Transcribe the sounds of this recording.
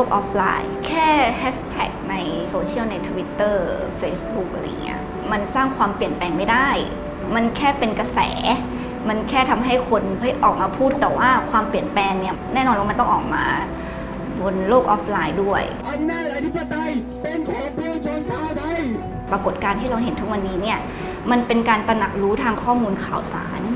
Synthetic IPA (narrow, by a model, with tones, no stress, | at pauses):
loː˥˩k̚ʔɔː˦˥p̚ʰla̰ː˧jkʰɛː˥˩hɛː˦˥st̪ʰɛ̰ː˨˩k̚na˧jsoː˧t͡ɕʰi˥˩əwna˧jt̪ʰu˧wi˦˥t̪ːɤː˥˩feː˧˥sbu˦˥k̚ʔa˧ɾa̰˧j̰ŋːḭ˦˥ɐ | ma˧nsaː˥˩ŋkʰwaː˧mpli˨˩ənpɛː˧ŋma˥˩jda˥˩j | ma˧nkʰɛː˥˩pe˧nka˧sɛ̰ː˩˦ | ma˧nkʰɛː˥˩t̪ʰa˧mɦa˥˩jkʰo˧npʰːjʔɔː˨˩k̚maː˧pʰuː˥˩t̪ːɛː˨˩waː˥˩kʰwaː˧mpli˨˩ənpɛː˧ŋni˥˩ɐnɛː˥˩nɔː˧nwaː˥˩m˧nt̪ɔ˥˩ŋʔɔː˨˩k̚ma̰ː˧ | bo˧nloː˥˩k̚ʔɔː˦˥p̚ʰlaː˧jdu˥˩əj | a˧nɛː˥˩a˧t̪i˦˥˩pa˧t̪a˧j | pe˧nkʰa˧˩pi˧˥˩t͡ɕa˧sa˥˩da˧˥˩j | pɾa˧ko˨˩t̪̚kaː˧nt̪ʰiː˥˩ɾa˧wɦe˨˩˦nt̪ʰu˦˥k̚wa˧nːiː˦˥ni˥˩ɐ | ma˧npe˧nkaː˧nt̪a˧na˨˩k̚ɾuː˦˥t̪ʰaː˧ŋkʰɔː˥˩muː˧nkʰaː˨˩wsa̰ː˩˦n